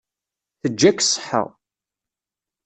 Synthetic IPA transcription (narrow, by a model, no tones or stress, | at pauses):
θəd͡ʒːækːsˤħə̰ʁ